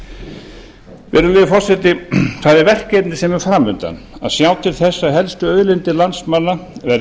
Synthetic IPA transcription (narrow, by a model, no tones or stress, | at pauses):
vɛɾʏlɛːðɪfɔr̥sɛt̪ːɪθaðɛɾvɛr̥kejt̪nɪsɛmɛɾ̥fɾamːʏnt̪a̰n | a̰ðsjaːwt̪ʰɪlθɛsːaɦɛlst̪ʏœːɥðlɪnt̪ɪlansmanːavɛɾ